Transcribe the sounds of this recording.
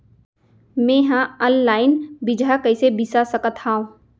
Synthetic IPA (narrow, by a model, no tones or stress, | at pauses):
mẽːɦãənlaːɪnbid͡ʒʱakəɪsebisasəkət̪aːõ